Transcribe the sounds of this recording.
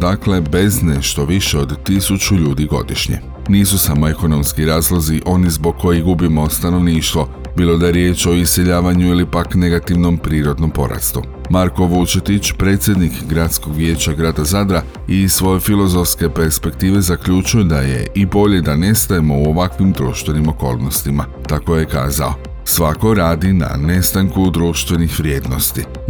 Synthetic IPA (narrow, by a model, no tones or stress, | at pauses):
d̪akle̞be̞zne̞ʃt̪o̞ʋiʃeo̞d̪ːisut͡ʃuʎuːd̪iɡo̞̰d̪iʃɲe̞̰ | niːsusamo̞e̞ko̞no̞mskiɾaːzlˠo̞ziʔo̞nizbo̞ɡ̚kʰːo̞jiɡubimo̞st̪ano̞ʋniːʃt̪ʋo̞ | bilˠo̞d̪aje̞ɾje̞ːt͡ʃo̞ise̞ʎaːʋaɲuilipakne̞ɡat̪iʋno̞mpɾiːɾo̞d̪no̞mpo̞̰ɾa̰st̪u | maɾko̞ʋut͡ʃet̪it͡ʃpɾe̞ːt̪sʲje̞d̪nikɡɾat̪sko̞ɡʋje̞ːt͡ɕaɡɾaːd̪azad̪ɾa | isʋo̞je̞filo̞zo̞fske̞pe̞ɾspe̞kt̪iːʋe̞zakʎut͡ʃujed̪aje̞̰ʔibo̞ʎe̞d̪ane̞st̪ajemo̞uoʋakʋimd̪ɾuːʃt̪ʋe̞nimo̞ko̞̰ːlˠnost̪imat̪ako̞je̞ka̰ːza̰o̞̰ | sʋako̞ɾaːd̪ina̰ne̞st̪aŋkud̪ɾuːʃt̪ʋe̞nixʋɾʲje̞ːd̪no̞st̪i